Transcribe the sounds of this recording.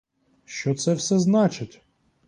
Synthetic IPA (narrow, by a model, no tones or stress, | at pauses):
ʃt͡ʃɔt̪sɛwsɛznɑt͡ʃɪtʲ